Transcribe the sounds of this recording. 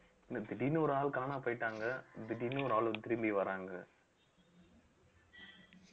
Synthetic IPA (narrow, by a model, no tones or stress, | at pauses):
nɐd̪ɪɽinuːɾaːlkaːnaːpɐɪʈːaːŋɡɐd̪ɪɽinuːɾaːlt̪ɪɾɯmbiʋɐɾaːŋɡɐ